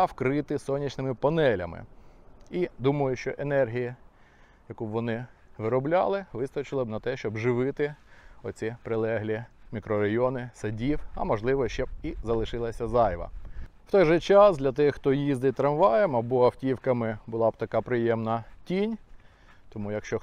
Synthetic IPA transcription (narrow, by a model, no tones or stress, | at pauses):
wkɾɪt̪ɪsɔnʲit͡ʃnɪmɪpɐnɛlʲɐ̰mɪ̰ | id̪umɐjʊʃt͡ʃɔʔenɛrɦʲiji | jɐkubʋɔnɪʋɪɾɔblʲɑ̰lˠɪʋɪst̪ɔt͡ʃɪlˠɪbnɐt̪ɛʃt͡ʃɔbʒɪʋɪt̪ɪɔt͡sʲipɾɪlˠɛɦlʲimʲikɾɔɾɐjɔnɪsɐdʲiwɐ̰mɔʒlˠɪʋɔʃt͡ʃɛbizɐlˠɪʃɪlˠɐsʲɐzɑjʋɐ̰w̥t̪ɔjʒɛt͡ʃɑsd̪lʲɐt̪ɪxxt̪ɔjizd̪ɪt̪ɾɐmʋɑjɛmɐbɔɐwtʲiwkɐmɪbʊlˠɑb̚t̪ɐkɑpɾɪjɛmnɐtʲinʲ | t̪ɔmujɐkʃt͡ʃɔ